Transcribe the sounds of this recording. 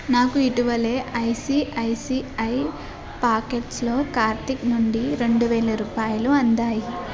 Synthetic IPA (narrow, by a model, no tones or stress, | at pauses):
naːkuiʈiʋɐle̞ːʔɐjsiʔɐjsiɐj | paːkeʈslo̞ːkaːɾt̪iknuɳɖiɾe̞ɳɖuʋɛːlɐɾuːpaːjuluɐnd̪aːji